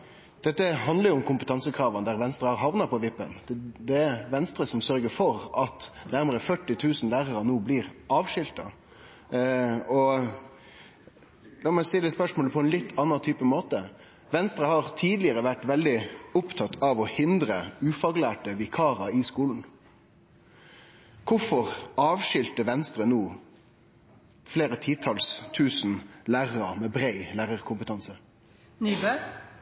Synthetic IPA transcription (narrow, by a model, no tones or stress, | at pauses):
d̪̥ɛt̪ːəɦɑnd̪ləɾʊʊmkʰʊmpət̪ʰɑnsəkʰʁɑːʋɑnd̪æɾʋɛnst̪ɾəhɑɾɦɑʋnɑpʰɔʋɪpːə̰nd̪ɛæɾʋɛnst̪ɾəsɔmsœɾɡəfɔɾɑt̪næɾməɾəfœʈːɪt̪ʰʉːsn̩læːʁəɾɑnuːbliːʁɑːʋʃʏlt̪ɑ̰ | ɔ | lɑːmɛst̪ɪlːəspœʂmoːləpʰɔɛnlɪt̪ʰːɑnːɑt̪ʰyːpəmoːt̪ə | ʋɛnst̪ɾəhɑʁt̪ʰiːd̪lɪəɾəʋæʈːʋɛld̪ɪʊpt̪ʰɑt̪ʰːɑʋɔhɪnd̪ɾəʉːfɑːɡlæːʈəʋɪkʰɑːɾɑɪskuːln̩ | kʰʊfɔʁɑːʋʂʏlt̪əʋɛnst̪ɾənuː | fleːɾət̪ʰiːt̪ʰɑlst̪ʰʉːsnlæːʁɾɑmɛbɾæɪlæːɾəɾkʰʊmpət̪ʰɑnsə